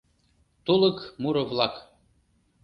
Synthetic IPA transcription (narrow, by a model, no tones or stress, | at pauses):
t̪ulˠɤkmuɾɤ̆vlˠɑk